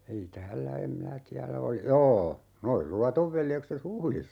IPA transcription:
ei tæːlːæ em minæ tiælæ oli joː noi luɑtoʋ ʋeljekset huhlisːɑ

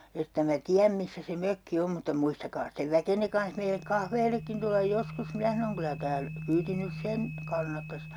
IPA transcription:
etːæ mæ tiæm misːæ se møkːi om mutːɑ muistɑkɑː steʋ ʋækenːe kɑnh meilek kɑhʋeːlekːin tulːɑj joskus minæ sɑnoŋ kylæ tæːl kyːti nys sen kɑnːɑtːɑs

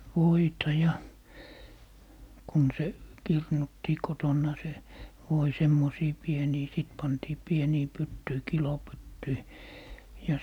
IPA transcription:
ʋoitɑ jɑ kun se kirnutːiː kotonːɑ se ʋoi semːosiː pieniː siˑt pɑntiː pieniː pytːyi kilopytːyi jɑ

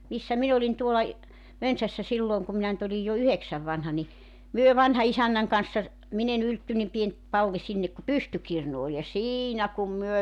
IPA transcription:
misːæ min olin tuolɑ j mønsæsːæ silːoːŋ kum minæ nyt olij jo yheksæʋ ʋɑnhɑ ni myø ʋɑnhɑisænːæŋ kɑnsːɑ min en yltːy nim pien pɑlːi sinːek ku pystykirnu ol jɑ siːnæ kum myø

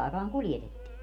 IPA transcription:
ɑˑekɑːŋ kuljetetːiː

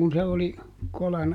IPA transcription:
kun̞ se oli kolɑn

